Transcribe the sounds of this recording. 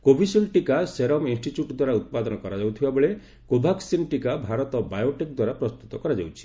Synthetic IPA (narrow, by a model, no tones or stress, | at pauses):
kobʱisulʈikaseɾɔminsʈit͡ʃjuʈd̪waɾaut̪̚pad̪ɔnɔkɔɾad͡ʒawt̪ʰibabɔɭe | kobʱaksinʈikabʱaɾɔt̪ɔbajoʈik̚d̪waɾapɾɔst̪ut̪ɔkɔɾad͡ʒawt͡ʃʰi̥